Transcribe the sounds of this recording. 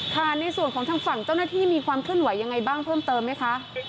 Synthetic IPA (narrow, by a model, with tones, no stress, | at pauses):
kʰa˥˩na˧jsu˨˩ənkɔː˩˦t̪aː˧˥ŋfa˨˩ŋt͡ɕa˥˩wnaː˥˩t̪ʰiː˥˩miː˧kʰwaː˧mkʰɯ˥˩ənwa˨˩˦jːa˧ŋːa˧jbaː˥˩ŋpʰɤː˥˩mt̪ɤː˧mːa˦˥jkʰa˦˥ʔ